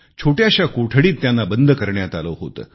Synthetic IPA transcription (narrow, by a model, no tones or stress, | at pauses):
t͡ɕʰoʈjaɕjakoʈʰəɽiːt̪ːjanːabənd̪ʱəkəɾɳjat̪aləɦo̰t̪əː